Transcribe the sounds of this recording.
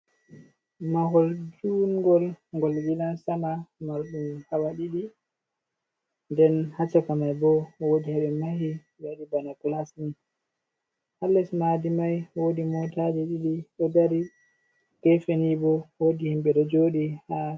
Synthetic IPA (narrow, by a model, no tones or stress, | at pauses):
mahɔldunɡɔlŋɡɔlwilansamamaɾɗumhawaɗiɗi | ndɛnhat͡ʃakamajbɔwodihaɓɛmahi | waɗibanaklasni | halːɛsmadimajwodimɔtad͡ʒɛɗiɗiɗɔdaɾi | ɡ̥ɛfenibɔwodihimbɛɗɔd͡ʒoɗiha